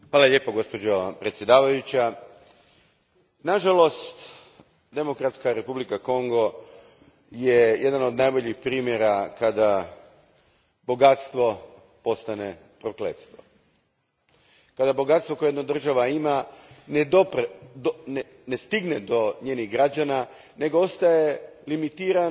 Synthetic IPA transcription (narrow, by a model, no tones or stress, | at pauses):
xʋaːlaʎʲeːpoɡo̞spo̞d͡ʑopɾet̪sʲje̞d̪aːʋajut͡ɕa | naʒalo̞st̪ | d̪e̞mo̞kɾat̪skaɾe̞publikako̞ŋɡo̞ | jejʔed̪ano̞d̪najbo̞ʎixpɾiːmjeɾakad̪a | bo̞ɡat̪st̪ʋo̞ | po̞st̪ane | pɾoklḛt̪st̪ʋo̞̰ | kad̪abo̞ɡat̪sʋokojednad̪r̩ʒaʋaimaned̪opɾd̪n | nest̪iɡned̪oɲeːniɣɡɾad͡ʑana | ne̞ɡoo̞st̪ajelimit̪iːɾa